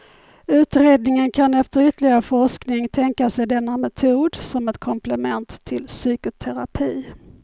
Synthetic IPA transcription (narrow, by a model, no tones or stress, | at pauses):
ʉ̟ːt̪ɾeːd̪nɪŋənkʰanɛft̪əɾʏt̪əlɪɡaɾəfɔʂknɪŋt̪ʰɛŋkasɛjd̪ɛnːamɛt̪ʰuːd̪sɔmɛt̪kʰɔmplɛmɛnt̪ʰːɪlsyːkʊt̪ʰɛɾapʰiː